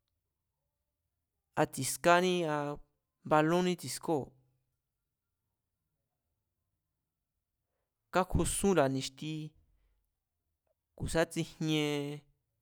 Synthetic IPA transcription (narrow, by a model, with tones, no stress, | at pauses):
a˧t͡si˨ska˦nĩ˦a˧ | βa˧lõ˦nĩ˦t͡si˨˧sko˦˨ | ka˦kʰu˧sũ˦la˨nĩ˧ʃt̪i˧ | ku˨sa˦t͡si˧hɲẽ˧